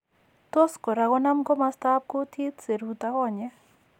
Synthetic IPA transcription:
t̪o˦skɔ˨ɾa˨˧ɣɔ˦na˦mkɔ˦ma˦st̪a˦p̚ko˦t̪ʰi˦t̪se˨ɾu˨t̪a˦ɣɔ˦˨ɲɛ˦

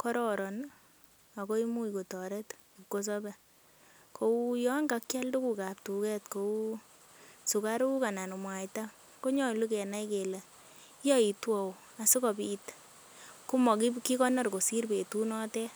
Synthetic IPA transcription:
kɔ˦ɾɔ˨ɾɔ˨n | a˨ko˦i˦mu˦iko˨tɔ˨ɾɛ˦t | kːo˦s̬ɔ˦bɛ˨ | kʰo˦u˦jɔ˦ŋɡa˨kt͡ʃa˦ldu˦ku˨ka˨p̚tu˨kɛ˦tko˨u˦ | su˨ka˦ɾu˦ku˦ka˨na˨nu˨mwa˨jta˦ | ko˦ɲɔ˦˨lu˦kɛ˨na˦ike˨lɛ˨˦ | jɔ˦i˨twɔ˨ | a˨su˦kɔ˨bi˨t | ku˦mɔ˨ki˦ki˦kɔ˦na˦rko˨si˦rpe˨tu˦nɔ˦tɛ˦

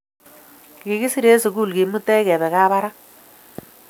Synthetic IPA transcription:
ki˨ki˦si˦ɾe˦su˨ku˦˨lki˨mu˦tɛ˦kɛ˨bɛ˨ka˦ba˦ɾa˦k

